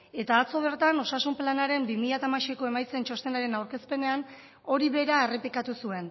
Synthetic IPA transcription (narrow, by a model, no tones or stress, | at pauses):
e̞t̪aːt͡so̞β̞e̞ɾt̪ano̞sasumplanaɾe̞mbimiʎat̪amaʃeko̞e̞majt͡se̞nt͡ʃo̞st̪e̞naɾe̞nawɾke̞spe̞ne̞an | o̞ɾiβe̞ɾae̞re̞pikat̪usue̞n